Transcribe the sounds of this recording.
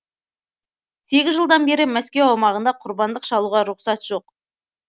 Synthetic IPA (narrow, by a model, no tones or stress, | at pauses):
se̞ɡʲɪzʒəlˠd̪ɑnbe̞ɾɪmæskʲewɑwmɑʁənd̪ɑqʰʊɾbɑnd̪əqʃɑlˠuʁɑɾʊqsɑt̪ʒ̥o̞q